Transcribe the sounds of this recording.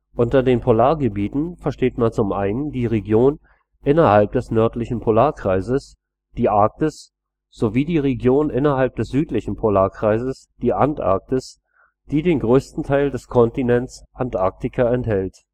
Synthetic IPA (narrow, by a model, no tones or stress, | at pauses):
ʔʊntɐdeːnpʰolaːɐɡəbiːtn̩fɛɐʃteːtmant͡sʊmʔaɪnəndiːʁeɡjoːn | ʔɪnɐhalp̚d̥ɛsnœɐtlɪçn̩pʰolaːɐkʁ̥aɪzəs | d̥iːʔaɐk̚tɪs | z̥oviːdiːʁeɡjoːnʔɪnɐalp̚d̥ɛsz̥yːtlɪçn̩pʰolaːɐkʁ̥aɪzəsd̥iːʔantʔa̰ɐk̚tɪs | d̥iːdeːnɡʁøːstn̩tʰaɪldɛskʰɔntinɛntsʔantʔaɐk̚tɪkʰɐɛnthɛlt